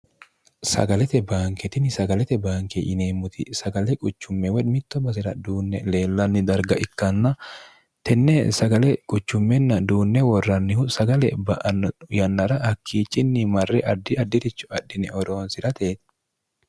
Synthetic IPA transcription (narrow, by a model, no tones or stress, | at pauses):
sɐ̰ɡɐlɛt̪ɛbaːŋkɛt̪ɪnɪsɐɡɐlɛt̪ɛbaːŋkḛʔɪneːmːʊt̪ʰɪ̰sɐɡɐlɛkʼʊt͡ʃːʊmːɛwɛdmɪt̪ːɔbɐsɪɾɐd̪uːnːɛle̞ːlːɐnːɪd̪ɐɾɡɐʔɪkːɐnːɐ | t̪ɛnːesɐɡɐlɛkʼʊt͡ʃːʊmːɛnːɐd̪uːnːɛwɔrːɐnːɪhʊsɐɡɐlɛbɐʔjɐnːɐɾɐhɐkʰːiːt͡ʃʼːɪnːɪmɐrːɛʔɐd̪ːɪɐd̪ːɪt̪ɪt͡ʃːʊ̥ɐᶑːɪnɛɔɾoːnsɪɾɐt̪eːt̪